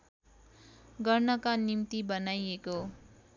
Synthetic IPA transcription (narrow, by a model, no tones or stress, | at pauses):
ɡʌrnʌkanimt̪ibʌnajeko